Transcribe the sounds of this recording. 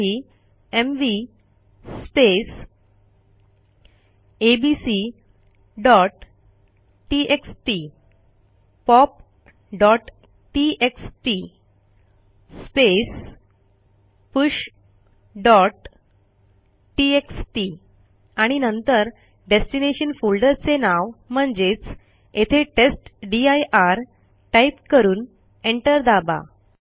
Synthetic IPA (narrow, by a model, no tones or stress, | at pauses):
i | emʋi | spes | ebisi | ɖɔʈ | ʈːiʔeksʈi | pɔp̚ | ɖɔʈ | ʈieksʈi | spes | puɕ | ɖɔʈ | ʈieksʈi | aɽ̃inənt̪əɾ | ɖesʈineɕənfulɖəɾt͡senaʋm̤əɳd͡zet͡s | et̪ʰeʈesʈɖiajʔaɾ | ʈajpkəɾuːn | eɳʈəɾd̪aba̰